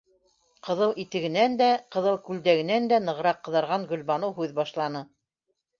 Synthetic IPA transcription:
qɤ̆ðɤlˠʔit̪ɘ̆ɡɘ̆nænd̪æqɤ̆ðɤlˠkʉld̪æɡɘ̆nænd̪ænɤ̆ʁɤ̆ɾɑqːɤ̆ðɑɾʁɑŋɡɵ̆lβɑnɤwɦʉðbɑʃlˠɑnɤ

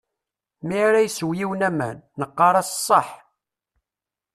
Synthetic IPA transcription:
miɾæjswjiwnæmæ̰nːəqːɑɾˤɑssˤːəħ

